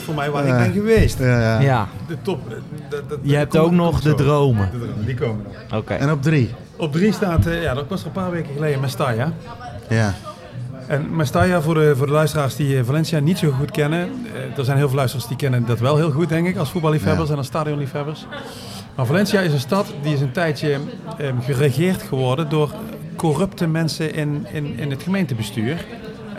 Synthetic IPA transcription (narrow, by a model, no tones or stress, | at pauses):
fʊːɹmɛjʋaːɪɡdɛnɣəʋejstjadətɔp | jəɛp̚kowknɔχdədrowmədədrowmədikowmənɔno̰kḛɛnɔb̚dri | ɔb̚dristaːtjaːdɔkʋɑstərənpaːɹʋejkəɣəlejdəmɛstaja | ja | ʔɛnmɛstajavʊːɹdəvʊːɹdəlœɥstəraːɹsdivalɛnsiaːnitsoɣutkɛnədəɹzɛjnɦɪːlˠvɪlœɥstrəsdikɛnəndɑtʋɛlˠɦɪːlˠɣut̚dɛŋkɪkɑlˠsfut̚bɑlˠlifɦɛbəɹs̬ɛnɑlˠstaːdiɔnlifɦɛbəɹs | maːɹvalɛnsiaɪsənstɑtdiɪs̬əntɛjtjəɣəreɣɪːrtxəʋɔɹdəndʊːrkɔrɵptəmɛnsəʔɪnɪnɪnɦətxəmejntəbəstyːr